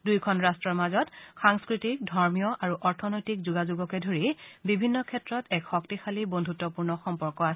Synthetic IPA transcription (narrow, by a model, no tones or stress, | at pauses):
dujkʰɔnɹastɹɔɹmazɔtxaŋskɹitik̚dʱɔɹmijɔʔaɹuʔɔɹtʰɔnojtikzuɡazuɡɔkɛdʱoɹibibʱinːɔkʰɛtɹɔtɛkxɔktixalibondʱutːɔpuɹnɔxɔmpɔɹkɔas